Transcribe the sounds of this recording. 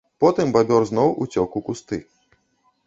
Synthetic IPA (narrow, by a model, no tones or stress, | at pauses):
pɔt̪ɨmbabʲɔrznɔwʔut͡sʲɔkukust̪ɨ